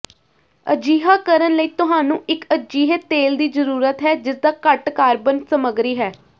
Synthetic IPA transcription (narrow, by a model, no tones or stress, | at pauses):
ə̰d͡ʒiːɦaːkəɾənləiːt̪ʊɦaːnũːɪkəd͡ʒiːɦeːt̪eːld̪iːzəɾuːɾət̪ɦɛːd͡ʒɪsd̪aːkəʈkaːɾbənsəməɡɾiːɦɛː